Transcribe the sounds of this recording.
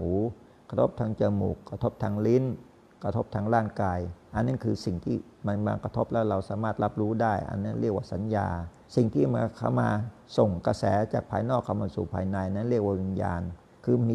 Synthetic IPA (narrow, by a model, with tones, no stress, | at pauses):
huː˨˦kɾt̪ʰo˦˥p̚t̪ʰaː˦˥ŋt͡ɕɤː˧mṵː˨˩kʰːa˧t̪ʰo˦˥p̚t̪ʰa˦˥ŋli˦˥n | kɾa˧t̪ʰo˦˥p̚t̪ʰaː˦˥ŋɾaː˥˩nkaː˧jʔa˧nːa˦˥nkʰɯː˧si˨˩ŋt̪ʰiː˥˩ | ma˧nwa̰ː˧ŋkɾa˧t̪ʰo˦˥p̚lɛː˦˥wɾa˧wsaː˩˦maː˥˩t̪̚la˦˥p̚ɾuː˦˥daː˥˩jʔa̰˧nːa˦˥˩nɾi˥˩ək̚waː˥˩sa˩˦nja̰ː˧ | si˨˩ŋt̪ʰiː˥˩ma˧nkʰa̰˥˩wmaː˧ | so˨˩ŋka˧sɛː˩˦t͡ɕaː˨˩k̚pʰaː˧jnɔː˥˩kʰːa˧˩maː˧sṵ˨˩pʰaː˧jna˧jʔa˧˨nːa˦˥nɾi˥˩ək̚waː˥˩wi˧nja̰ː˧n | kʰɯː˧mi˧